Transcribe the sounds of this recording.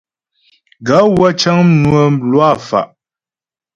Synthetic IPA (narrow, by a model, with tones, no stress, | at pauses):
ɡa˨˦wa˦t͡ʃa˦ŋm˦nwə˨m̩˦blwa˦˨fa̰˨ʔ